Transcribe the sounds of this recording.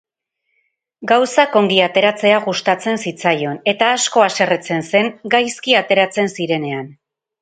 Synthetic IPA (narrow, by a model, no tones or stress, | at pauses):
ɡawsako̞ŋɡiat̪e̞ɾat͡se̞aɣust̪at͡se̞nsit͡sajo̞ne̞t̪aːsko̞ase̞ret͡se̞nse̞ŋɡajskiat̪e̞ɾat͡se̞nsiɾe̞ne̞an